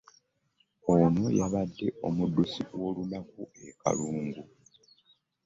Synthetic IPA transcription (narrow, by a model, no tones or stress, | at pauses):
onojaβadːe̞o̞mudːusiwo̞ːlunakueka̰luːŋɡu